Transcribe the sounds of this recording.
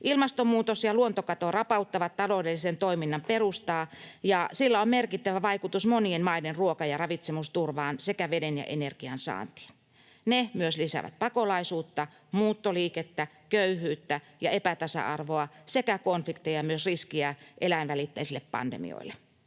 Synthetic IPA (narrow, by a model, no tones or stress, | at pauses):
ʔilmɑst̪omuːt̪osjɑluont̪okɑt̪orɑpɑut̪ːɑʋɑt̪t̪ːɑloːdelːisent̪oiminːɑmperust̪ɑːjɑsilːæommerkit̪ːæʋæʋɑikut̪usmonienmɑidenruokɑjɑrɑʋit̪semust̪urʋɑːnsekæʋedenjɑ̰ʔenerɡ̥iɑnsɑ̰ːnt̪i̥ːn | nemyøslisæ̰ʋæ̰t̪̚pɑkolɑisuːt̪ːɑ | muːt̪ːoliːket̪ːæ | køyhyːt̪ːæ | jɑepæt̪ɑsɑ̰ʔɑ̰rʋoɑsekækonflikt̪ejɑmyøsriskiæʔelænʋælit̪ːæisilːeppɑ̰ndḛmḭo̰ilːe